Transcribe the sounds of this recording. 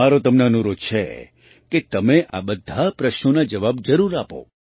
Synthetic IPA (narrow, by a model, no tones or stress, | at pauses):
aɾot̪əmneənuɾot͡ʃʰḛ | ket̪əmeʔa̰bəd̪ʱapɾəʃnonad͡ʒəʋabd͡ʒəɾuɾapo̰